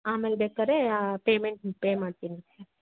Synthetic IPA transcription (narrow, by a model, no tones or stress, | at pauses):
aːmelbekaɾepeːmeɳʈpeːmaːɽt̪inisa